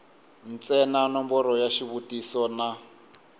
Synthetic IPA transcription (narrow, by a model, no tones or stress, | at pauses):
n̩t͡sɛnanɔmbɔɾɔjaʃiβutisɔna